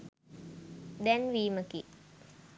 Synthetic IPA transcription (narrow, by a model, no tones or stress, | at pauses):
d̪ɛnʋiːməki